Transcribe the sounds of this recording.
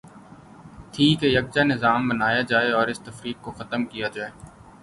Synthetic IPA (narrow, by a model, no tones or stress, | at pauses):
t̪ʰiːkejɐk̚d͡ʒanɪzaːmbənaːjad͡ʒaːeɔːɾɪst̪ɐfɾiːk̚koxɐt̪əmkijad͡ʒaːeː